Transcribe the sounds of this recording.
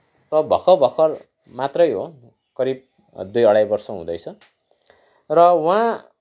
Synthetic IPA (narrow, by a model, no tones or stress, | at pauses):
t̪ʌbʱʌkʰʌbʱʌkʰʌr | mat̪rʌjɦo̰ | kʌɾib̚ | d̪ujʌɽajbʌrsʌɦṵ̃d̪ʌjt͡sʰʌ | rʌwã